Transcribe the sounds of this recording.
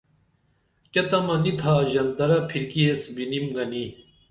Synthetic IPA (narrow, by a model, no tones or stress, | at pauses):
kɐt̪ɐmɐnit̪ʰaːʑɐnd̪ɐɾɐpʰiɾkiesbinimɡɐni